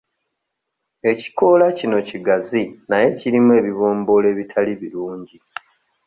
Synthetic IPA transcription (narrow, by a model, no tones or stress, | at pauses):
e̞ci̥ko̞lacino̞ciɡazinaje̞ciɾimue̞ːβiβo̞ːmbo̞le̞ːβitʰaliβiɾuːɲɟi